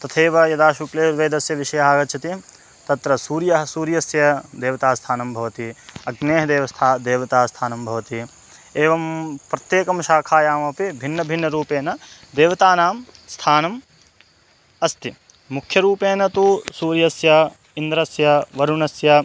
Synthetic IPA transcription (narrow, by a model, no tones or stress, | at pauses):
t̪ɐt̪ʰeːʋɐjɐd̪aːʃukleːʋeːd̪ɐsjɐʋiʃɐjɐɦaːɡɐt͡ʃʰɐt̪i | t̪ɐt̪ɾɐsuːɾjɐɦɐsuːɾjɐsjɐd̪eːʋɐt̪aːst̪ʰaːnɐmbʱɐʋɐt̪iɐɡneːɦɐd̪eːʋɐst̪ʰad̪eːʋɐt̪aːst̪ʰaːnɐmbʱɐʋɐt̪i | eːʋɐmpɾɐt̪jeːkɐmʃaːkʰaːjaːmɐpibʱinːɐbʱinːɐɾuːpeːnɐd̪eːʋɐt̪aːnaːmst̪ʰaːnɐm | ɐst̪i | mukʰjɐɾuːpeːnɐt̪usuːɾjɐsjɐ | ind̪ɾɐsjɐʋɐɾunɐsjɐ